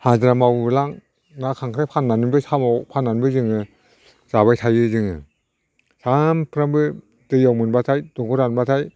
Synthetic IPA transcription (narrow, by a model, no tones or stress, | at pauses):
hazɾamawlaŋ | nakʰaŋkʰɾajpʰanːanɯnbɯjsamawpʰanːanbɯzɯŋɯ | z̥aβajtʰajɯzɯŋɯ | sampʰɯɾambɯ | dɯjawmɯnbatʰajdɔŋɡɯɾanbatʰaj